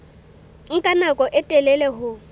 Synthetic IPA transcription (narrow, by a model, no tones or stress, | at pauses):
ŋ̩kʼanakʼɔʔɛtʼɛlɛlɛɦʊ